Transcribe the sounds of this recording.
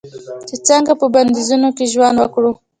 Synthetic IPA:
t͡ʃit͡saŋɡapəband̪izunokeʒwanwakɽu

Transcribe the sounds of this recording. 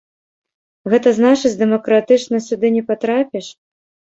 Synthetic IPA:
ɣɛt̪ɐznat͡ʂɨt͡sʲd̪ɛmɐkɾat̪ɨt͡ʂnɐsʲud̪ɨnʲɛpat̪ɾapʲɛʂ

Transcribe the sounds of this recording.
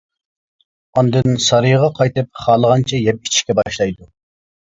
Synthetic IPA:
ɑnd̪ɨnsɑɾɨjʁɑqʰɑjt̪ɨp̚χɑːlˠəʁɑnt͡ʃʰɛjɛp̚i̥t͡ʃʰi̥kʲɛbɑʃlˠɑjd̪u

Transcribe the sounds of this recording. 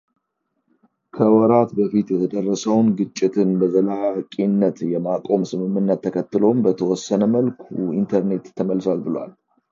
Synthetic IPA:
kʰəwɔɾat̪bəfit̪jɛt̪ʰəd̪ərːəsəwnɡɨt͡ʃʼːɪt̪ʰɨnbəzəlakʼinːət̪jɛmakʼo̞msɨmɨmːɨnːət̪ʰːəkʰət̪ːɨlo̞mbət̪ʰəwɔsːənəməlkʰuint̪ʰəɾne̞t̪ʰːəməlːswalbɨləwa̰l

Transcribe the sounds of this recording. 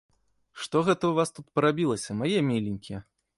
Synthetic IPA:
ʂt̪ɔɣɛt̪ɐwvast̪ut̪̚pɐɾabʲilˠɐsʲɐmajɛmʲelʲinʲkʲiɛ

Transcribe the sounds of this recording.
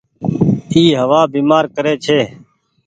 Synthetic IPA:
iːɦəʋaːbiːmaːɾkəɾeːt͡ʃʰeː

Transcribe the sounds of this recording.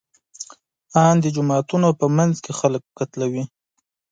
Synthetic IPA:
ɑnd̪əd͡ʒʊmɑt̪unopəmanzkexalək̚kat̪lawi

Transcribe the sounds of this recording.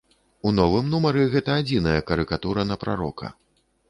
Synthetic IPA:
unɔvɨmnumɐɾɨɣɛt̪ɐːd͡zʲinɐjɐkɐɾɨkat̪uɾɐnɐpɾa̰ɾɔ̰kʰɐ̰

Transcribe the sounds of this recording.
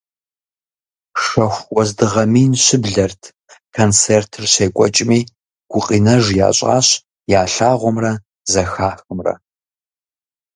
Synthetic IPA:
ʂɐxʷwɔzdɨʁɐmiːnɕɪbɮɐrtʰ | kʰɐnt͡sʰeːrtʰɨrɕeːkʷʼɔt͡ʃʼmiː | ɡ̥ʷʊqʼiːnɐʒja̰ːɕʼa̰ːɕ | jaːɬaːʁʷɔmrɐ | zɐxaːxɨmrɐ̰

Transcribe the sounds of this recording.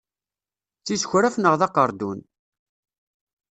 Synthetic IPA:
t͡sːisçɾæfnəʁðɑqəɾˤd̪un

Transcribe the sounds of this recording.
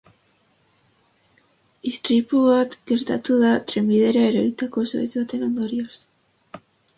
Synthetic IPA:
ist̪ɾipuβat̪ɡe̞ɾt̪at̪uð̞at̪ɾemiðe̞ɾaeɾoɾit̪ako̞so̰it͡suβat̪e̞no̞nd̪o̞ɾios

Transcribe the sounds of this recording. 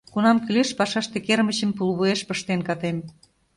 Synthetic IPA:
kunɑmkyleʃpɑʃɑʃt̪ĕkermə̆t͡ɕə̆mpulβueʃpəʃt̪enkɑt̪em

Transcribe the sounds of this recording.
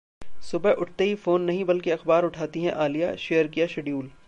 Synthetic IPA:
sʊbɛʔʊʈʰt̪eɦifoːnːɐɦĩbɐlkiɐxbaːɾʊʈʰaːt̪iɦɛ̃ʔaːlija̰ʃeːjəɾkijaʃeɖijuːl

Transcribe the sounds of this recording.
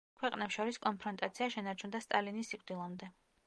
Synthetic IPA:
kʰwɛqʼnɛpsʃɔɾiskʼɔnpʰɾɔnt̪ʼat̪sʰiaʃɛnaɾt͡ʃʰund̪ast̪ʼalinisːikʼd̪ilˠamd̪ɛ

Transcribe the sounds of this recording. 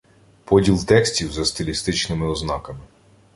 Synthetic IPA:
pɔdʲilˠt̪ɛksʲtʲiwzɐst̪ɪlʲist̪ɪt͡ʃnɪmɪɔznɑkɐmɪ

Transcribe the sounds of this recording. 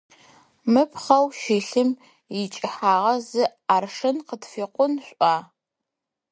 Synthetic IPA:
mɨpʰχɐwʃiːɬɨm | jɪt͡ʃʼɪħaːʁɐzɨaːrʂɨnqətfiːqʷʊnɕʷʼaː

